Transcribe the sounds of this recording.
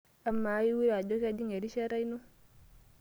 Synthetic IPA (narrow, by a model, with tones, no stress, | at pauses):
a˨mːa˨˦ji˦wi˦ɾa˨d͡ʒo˦ʃa˦d͡ʒi˦ŋe˨ɾi˦ʃa˦ɾa˦jno˦